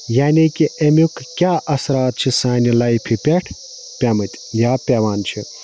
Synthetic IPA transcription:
jaːnikiemukkʲjaʔɐsɾaːt̪̚t͡ʃʰisaːnilajpʰipʲeʈʰ | pʲamɨt̪ | japʲeʋaːnt͡ʃʰi

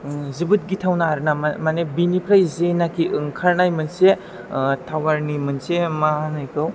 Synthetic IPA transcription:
zibɯt̚ɡitʰawnaɾnamanebinipʰɾajzenakʰiɯŋkʰaɾnajmɯnse | tʰawaɾnimɯnsemanajkʰɯw

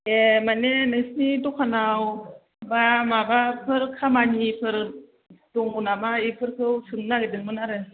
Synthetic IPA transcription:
emanenɯsnidɔkʰanaw | bamabapʰɯɾkʰamanipʰɯɾ | d̥ɔŋunamaipʰɯɾkʰɯwsɯŋnaɡedɯŋmɯnaɾɯ

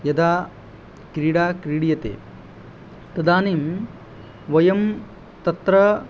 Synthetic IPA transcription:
jɐd̪aː | kɾiːɽaːkɾiːɽijɐt̪ḛː | t̪ɐd̪aːniːm | ʋɐjɐm | t̪ɐt̪ɾɐ

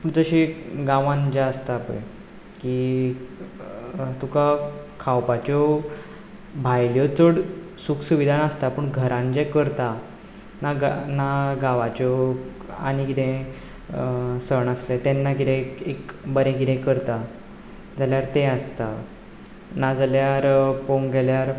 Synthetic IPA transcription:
pəɳd͡zəɕiɡãʋãnd͡ʑaəst̪aːpəj | ki | t̪ukakʰawpat͡ɕɔ | bʱajljɔt͡səɽsuksuʋid̪ʱanast̪apəɳɡʱəɾãnd͡ʑɛkəɾt̪a | nanaɡaʋat͡ɕɔ | a̰ñikit̪ɛ̃ | səɳaslet̪ɛnːakit̪ɛ̃ekbəɾẽkit̪ɛ̃kəɾt̪a | d͡zaljaɾt̪ɛ̃ast̪a | nad͡zaljaɾpoŋɡɡɛljaɾ

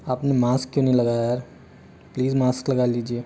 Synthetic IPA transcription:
aːpnemaːskkjõːnɐɦĩlɐɡaːjajaɾ | pliːzmaːsklɐɡaliːd͡ʒieː

